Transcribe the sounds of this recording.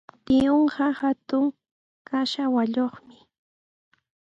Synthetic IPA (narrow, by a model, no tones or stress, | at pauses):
t̪ɪoɴɢɑhat̪ʊŋ | kaʃawaʎoχmɪ